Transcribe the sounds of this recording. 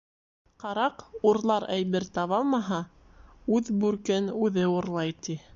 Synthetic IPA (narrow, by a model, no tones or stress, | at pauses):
qɑɾɑquɾlˠɑɾæjβɘɾt̪ɑβɑlˠmɑɦɑ | ʉðbʉɾkɘnʉðɘuɾlˠɑjt̪i